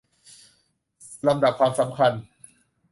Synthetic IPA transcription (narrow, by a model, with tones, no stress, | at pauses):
ɾa˧mda˨˩p̚kʰwaː˧msa˩˦mkʰa˧n